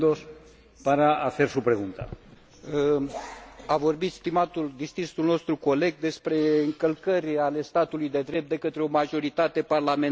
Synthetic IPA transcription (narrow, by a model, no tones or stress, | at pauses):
d̪os | paɾaaθe̞ɾsupɾeɣunt̪a̰ | avo̞rbit̪st̪imat̪uld̪ist̪ɾist̪ulno̞st̪ɾuko̞le̞ɡ̚d̪e̞spɾe̞ɨŋkəlkəɾʲale̞st̪at̪ulujd̪e̞d̪ɾe̞p̪̚d̪e̞kət̪ɾeo̞maʒo̞ɾit̪at̪e̞parlame